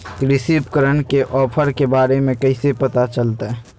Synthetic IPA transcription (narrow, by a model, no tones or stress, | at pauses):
kɾɪsiːpkəɾənkeʔɔːpʰəɾkebaːɾemẽkɐɪsepɐt̪at͡ʃəlt̪aɦɛ